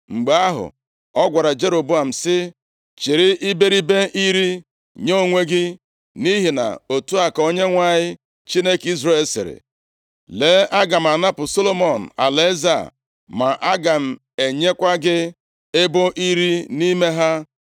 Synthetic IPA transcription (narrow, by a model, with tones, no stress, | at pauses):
ŋ͡m̩˨ɡ͡be˨a˦ɦʊ̰˨ | ɔ˦ɡʷa˨ɾa˨d͡ʒe˦ɾo˨bu˦a˨m̩˨sɪ˦ | t͡ʃɪ˨ɾɪ˦ʔi˦be˦ɾi˦be˦ʔi˦ɾi˦ | ɲo˦˨ŋʷe˦ɡɪ˦ | ni˦ɦi˨na̰˨o˨tu˦a˨ko˦ɲe˦ŋʷa˨ɲɪ˦ | t͡ʃi˦ne˦ki˦zɾe˦˨e˨lsɪ̰˨ɾɪ̰˨ | le˨˦ʔa˦ɡa˨m̩˨a˨na˦pʊ˨so˦lo˦mo˨n̩˨a̰˨le˦za̰˨ | ma˨ʔa˦ɡa˨m̩˨ | e˨ɲe˦kʷa˦ɡɪ˦ | ɪ˦bʊ˦ʔi˦ɾi˦ni˦me˦ɦa˦